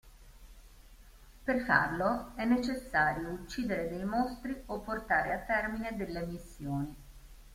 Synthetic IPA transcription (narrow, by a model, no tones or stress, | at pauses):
perfa̰rloɛnːet͡ʃesːaːɾjout͡ʃːiːd̪eɾed̪ejmost̪ɾiʔopːort̪aːɾeat̪ːɛrmined̪elːemisːjoːni